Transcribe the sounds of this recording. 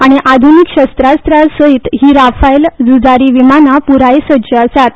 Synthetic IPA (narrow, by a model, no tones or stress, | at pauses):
aɽ̃iʔad̪ʱunikɕəst̪ɾad͡zst̪ɾad͡zsəit̪ɦiːɾafajld͡zud͡zaɾiːʋimanapuɾajsəd͡ʑəəsat̪